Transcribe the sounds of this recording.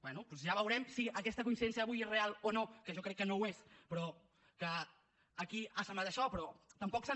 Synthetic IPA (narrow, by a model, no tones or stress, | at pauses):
bwɛnupɔzʒaβəwɾɛmsiʔəkɛst̪əkuinsiðɛnsijəβujezrealˠonokəʒɔkɾɛkːənowespɾɔ | kəː | kiasəmat̪əʃɔpɾɔt̪əmpɔksə